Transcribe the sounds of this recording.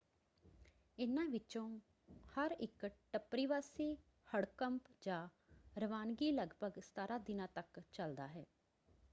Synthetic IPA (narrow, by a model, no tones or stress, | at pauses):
ɪnãːʋɪt͡ʃõː | həɾɪkʈəpɾiːʋaːsiː | həɽkəmpd͡ʒãː | ɾəʋaːnɡiːləɡbʱəɡst̪aːɾaːd̪ɪnãːt̪əkt͡ʃəld̪aːɦɛː